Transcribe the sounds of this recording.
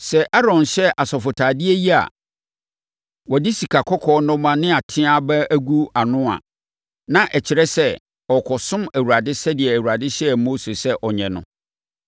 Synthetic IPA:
sɛ˨ʔa˦ɾɔ̃˨nɕɛ˦ʔa˨sɔ˨fʊ˨tʰaː˨dɪ˦æ˦ji˦a̰˨ | wɔ˨dɪ˦si˨kʰa˨kʰɔ˦kʰɔː˦nʊ̃˦mã˦nɪ̃˦a˨tʰɪ̃˦a˦bɛ˦æ˦ɡu˦a˨nʊ̃˦a̰˨ | nã˦ʔɛ˨t͡ɕʰɪ˨ɾɛ˦sɛ˦ | ɔ˨kʰɔ˨sʊ̃˦mæ˨wu˨ɾa˨dɪ˦sɛ˦dɪ˨ɛ˨æ˨wu˨a˨dɪ˦ɕɛ˦˨mo˦se˨sɛ˦ʔɔ˨ɲɛ̃˨nʊ̰̃˦

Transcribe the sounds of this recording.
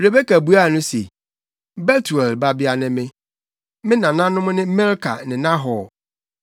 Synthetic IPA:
bɾe˨be˦kæ˨bu˦a˦˨nʊ̃˦sḛ˨ | bɛ˦tʰu˨ɛ˨lba˦bɪ˦a˦nɪ̃˦mɪ̃˦ | mɪ̃˦nã˨nã˦nʊ̃˦mʊ̃˦nɪ̃˦mɛ˦ɾkʰa̰˨nɪ̃˨nã˦ɦɔ˨

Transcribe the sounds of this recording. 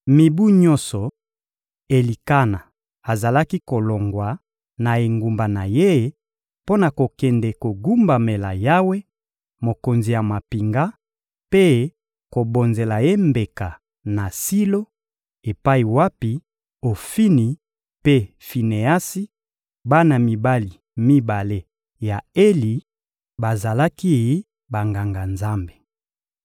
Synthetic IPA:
mi˨bu˦ɲɔ˦nsɔ˨ | e˨li˨ka˦na˨ | a˨za˨la˦ki˦ko˨lo˨ŋɡwa˨ | na˨e˨ŋɡu˨mba˨na˨je˦ | po˦na˨ko˨kɛ˨nde˨ko˨ɡu˦mba˨me˨la̰˨ja˦we˦ | mo˨ko˨nzi˨ja˨ma˨pi˨ŋɡa˦ | pe˦ | ko˨bo˨nze˨la˨je˦mbe˨ka˨ | na˨si˦lo˦ | e˨pa˦i˨wa˦pi˨ | o˨fi˦ni˨ | pe˦ | fi˨ne˨a˦si˦ | ba˦na˨mi˨ba˦li˨ | mi˦ba˨le˦ | ja˨e˦li˨ | ba˨za˨la˦ki˦˨e˦ | ba˨ŋɡa˨ŋɡa˨nza˦mbe˨

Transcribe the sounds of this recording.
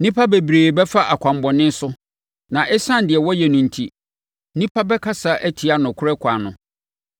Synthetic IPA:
nĩ˦pʰa˦be˨bɾeː˨bɛ˦fa˦ʔa˨kʷʰã˨m˨bɔ˨nɪ̃˦n˦sʊ˦ | nã˨ʔɛ˦sã˦n˦dɪ˨ɛ˨wɔ˦jɛ˨nʊ̃˨n̩˨tʰḭ˨ | nĩ˦pʰa˦bɛ˦kʰa˦sa˦ʔæ˦tʰi˨a˦nʊ̃˨kʰʊ˦ɾɛ˦kʷʰa˨nʊ̃˨

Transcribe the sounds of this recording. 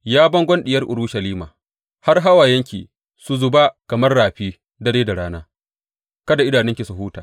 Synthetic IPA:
jaː˦bɐ˦ŋɡʷɐ˦nɗɪ˨jɐ˦rʔʊ˨ɾu˦ʃɐ˨liː˦ma̰ː˨ | ha˦rɦa˦wa˨jɐ˦ŋkʲḭː˨ | su˨zʊ˨ba˦kɐ˨mɐ˦rːaː˨ɸiː˦ | dɐ˦ɽeː˦da˨ɽaː˦naː˦ | kɐ˦da˨ʔɪ˦daː˨nɪ˦ŋkʲi˨su˨ɦuː˦taː˨

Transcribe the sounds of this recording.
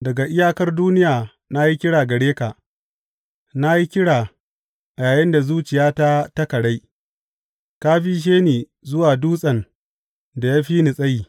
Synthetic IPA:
dɐ˨ɡa˨ʔɪ˦jaː˦kɐ˦rduː˦nɪ˦jaː˨ | na˦ji˦kʲɪ˦ɽaː˨ɡɐ˨ɽeː˦ka˨ | na˦ji˦kʲɪ˦ɽaː˨ | ʔjaː˨jɐ˦nda˨zuː˦t͡ʃɪ˨jaː˦ta˦tɐ˦kɐ˨ɽa˦j | ka˦ɸiː˦ʃ̬eː˦neː˨ | zʊ˦waː˨duː˦sʼɐ˨n | da˨jaː˦ɸiː˦nɪ˨sʼɐ˦jiː˨

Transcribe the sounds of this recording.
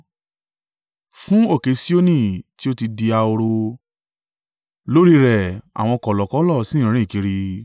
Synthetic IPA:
fũ˦o˦˨ke˨˧˦si˦o˦nĩ˦˨ti˦o˦ti˧di˧a˧o˧ɾo˧ | lo˦ɾi˦ɾɛ˨a̰˨w̃ɔ̃˧kɔ˨lɔ˨kɔ˨˦lɔ˦˨sĩ˦˨˦ɾ̃ĩ˦˨ki˧ɾi˧

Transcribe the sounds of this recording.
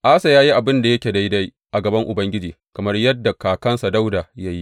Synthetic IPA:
ʔaː˦sa˨jaː˦ji˦ʔa˨bɪ˦nda˨jɐ˦kʲe˨da˦jda˦j | ʔa˨ɡɐ˨bɐ˦ŋʔʊ˨bɐ˦ŋɡʲɪ˦d͡ʒiː˨kɐ˨mɐ˦rjɐ˦dːa˨kaː˨kɐ˦nsa˨da˦wda˨ja˦ji˦

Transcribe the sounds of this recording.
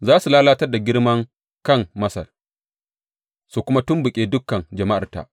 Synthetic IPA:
zaː˦su˨laː˦laː˦tɐ˦rda˨ɡʲɪ˦ɽmɐ˦ŋ | kɐ˦˨ŋmɐ˦sɐ̰˨r | su˨kʷʊ˦ma˦tʊ˦mbʊ˨kʲʼeː˦dʊ˦kːɐ˨nd͡ʒɐ˨ma˦ʔa̰˨rta̰˨ʔ

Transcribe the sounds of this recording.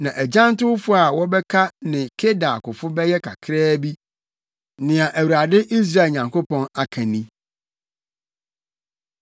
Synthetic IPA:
nã˨ʔæ˨d͡ʑã˦ntʊ˦wfʊ˦a˨wɔ˦bɛ˦kʰa˦nɪ̃˨kʰe˦da˨kʊ˨fʊ˦bɛ˦jɛ˦kʰa̰˨kʰɾɛː˦bi˦ | nɪ̃˨a˨ʔæ˨wu˨ɾa˨dɪ˦ʔi˦s̬ɾa˨ɲã˨ŋko˦pɔ̃˦na˨kʰã˨nĩ˦

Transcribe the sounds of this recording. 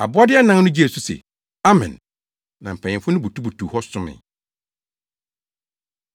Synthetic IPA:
a̰˨bʊ˦a˦dɪ˦ɛ˦nã˦n˦nʊ̃˦d͡ʑi˦e˨su˦sḛ˨ | a˦mɛ̰̃˨n | nã˨m̩˨pʰɛ̃˨ɲ̃ɪ̃˨fʊ̃˦nʊ̃˦bu˨tʰu˦bu˨tʰu˨hɔ˦sʊ̃˦mɪ̰̃˨

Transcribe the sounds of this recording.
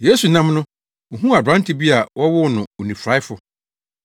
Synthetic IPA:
je˦su˨nã˦mnʊ̃˦ | o˨ɦũ˦a˨dɾã˦n˦tʰɪ˨bi˦a˨wɔ˦wʊ˦nʊ̃˨o˨nĩ˨fɾa˦ɪ˦fʊ˦˨

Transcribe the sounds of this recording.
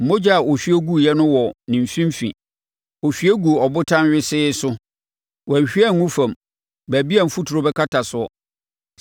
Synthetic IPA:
m̩˨mõ˦d͡ʑa˦a˨ʔo˨ɕᶣi˦ɛ˦ɡu˦˨jɛ˦nʊ̃˦wɔ˨nɪ̃˨m̩˨fĩ˦m˦fḭ̃˨ | o˨ɕᶣi˦æ˦ɡu˨ɔ˨bʊ˦tʰã˦nɥɪ˦sɪ˦sʊ˦ | wɛ̃˨ɕᶣi˦æ˦˨ŋŋːũ˦fã˨m | bæ˨bi˦æ˨m̩˨fu˦tʰu˨ɾʊ˦bɛ˦kʰa˦tʰa˨sʊ˨˦ɔ˦

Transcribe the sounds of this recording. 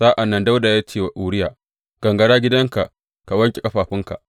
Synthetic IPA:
saː˦ʔa˨nːɐ˦nda˦wda˨jaː˦t͡ʃeː˦˨wa˨ʔuː˨ɽɪ˦jaː˨ | ɡ̥ɐ˨ŋɡɐ˨ɽaː˦ɡʲɪ˦dɐ˦ŋka˨ʔ | ka˨wɐ˦ŋkʲe˨kʼɐ˦ɸaː˨ɸɪ˦ŋka̰˨ʔ

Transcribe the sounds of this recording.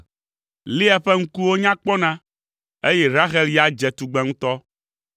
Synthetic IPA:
li˦a˨ɸe˦ŋ̩̃˦ku˦wo˦ɲã˦k͡pɔ˦nã˦ | e˦jɛ˦ɾa˦ɣɛ˦li˦a˨d͡ʒɛ˨t̪u˨ɡ͡bɛ˦ŋũ˦t̪ɔ˦

